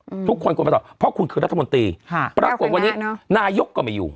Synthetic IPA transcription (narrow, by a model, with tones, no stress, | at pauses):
t̪ʰu˦˥kʰːo˧nkːpːt̪ɔː˨˩pʰɔ˦˥kʰu˧nkʰɯː˧ɾa˦t̪ʰːa˧mo˧nt̪ɾiː˧˩pɾaː˧ku˨˩t̪̚a˧nːiː˦˥˧naː˧jo˦˥kːɔː˥˩ma˧˩jṵː˨˩